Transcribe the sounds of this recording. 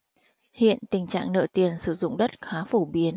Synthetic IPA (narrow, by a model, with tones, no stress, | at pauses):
hḭ˧˨ənt̪ï˨˩ŋ̟t͡ɕa̰ː˧˨ŋnə̰ː˧˨˩t̪i˨˩ənsɨ˧˩zʊ̰˧˨ŋ͡mɗə˦˥t̚xaː˨˦fo˧˩ɓi˨˦ən